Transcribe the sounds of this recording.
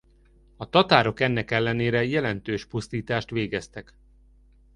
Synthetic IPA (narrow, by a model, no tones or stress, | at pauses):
ɒt̪ɒt̪aːɾo̞kɛnːɛkɛlːɛneːɾɛjɛlɛnt̪øːʃpust̪iːt̪aːʃt̪ʋeːɡɛst̪ɛk